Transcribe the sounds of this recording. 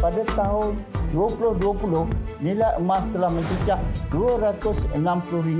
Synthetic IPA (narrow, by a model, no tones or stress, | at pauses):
padat̪aɦʊnduapulʊhduapulʊhnilajəmast̪əlahməɲt͡ʃət͡ʃak̚duaɾat̪ʊsə̰nampulʊhɾiŋ